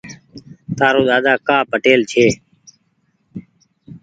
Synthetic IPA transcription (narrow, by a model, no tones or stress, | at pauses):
t̪aːɾoːɗ̪aːd̪aːkaːpəʈeːlt͡ʃʰeː